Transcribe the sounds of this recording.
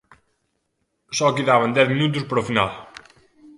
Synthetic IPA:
sɔkiðavɐ̃nd̪ɛθminut̪̬uspɾɔfinalˠ

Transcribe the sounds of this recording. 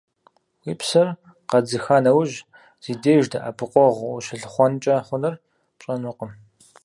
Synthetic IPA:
wiːpsɐr | qɐd͡zɨxaːnɐwʒ | z̥iːdeːʒdɐʔa̰pʰɨqʷʼɔʁʷʊɕɪɬɨχʷɔnt͡ʃʼɐχʷʊnɐr | pt͡ʃʼɐnʊqəm

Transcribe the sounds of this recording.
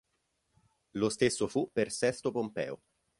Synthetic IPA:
lost̪esːofupːersɛst̪opompɛ̰ːo̰

